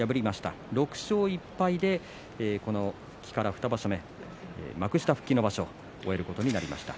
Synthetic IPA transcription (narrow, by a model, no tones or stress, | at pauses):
jabɯ̟ɾʲimaɕi̥t̪a̰ɾo̞kɯ̟̥ɕo̞ːipːaid̪e̞ː | ko̞no̞̥ | kʲi̥kaɾaɸ̟t̪abaɕome̞̰ | makɯ̟ɕi̥t̪aɸɯ̟̥kʲːino̞baɕo̞ | oe̞ɾɯ̟ko̞t̪oɲ̟inaɾʲima̰ɕi̥t̪ḁ